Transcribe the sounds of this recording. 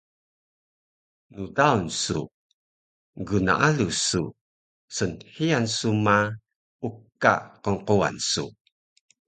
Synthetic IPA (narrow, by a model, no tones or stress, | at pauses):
nudaunsṵ | ɡuna̰ʔalusu | sənhiansuma | uka̰qəŋqua̰nsṵ